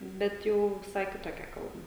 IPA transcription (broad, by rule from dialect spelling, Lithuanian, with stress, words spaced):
ˈbʲɛt ˈjɛʊ ʋʲɪˈsɐɪ kʲɪtoːˈkʲɛ ˈkɐlˠbɐ